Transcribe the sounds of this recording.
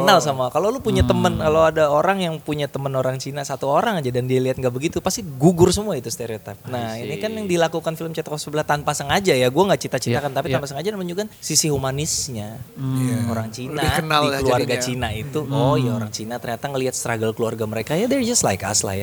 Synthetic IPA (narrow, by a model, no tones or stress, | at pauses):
kənalsamakalowlupuɲat̪əmənkalowadaoɾaŋjaŋpuɲat̪əmənoɾaŋt͡ʃinasat̪uoɾaŋad͡ʒadandialiɦat̪̚ŋɡaʔbəɡit̪upast̪iɡuɡʊrsəmuait̪ust̪eɾeot̪ip̚nahinikanjaŋdilakukanfiləmt͡ʃɛt̪kɔfsəbəlaht̪anpasəŋad͡ʒajaɡuaŋɡaʔt͡ʃit̪at͡ʃit̪akant̪apit̪ampasəŋad͡ʒanamaɲd͡ʒuɡansisiɦumanisɲa | o̰ɾaŋt͡ʃinakənaldiəluarɡat͡ʃinait̪uojaoɾaŋt͡ʃinat̪ərɲat̪aŋəliɦat̪̚st̪ɾaɡəlkəluarɡaməɾekajadərd͡ʒast̪lajka̰sla̰ja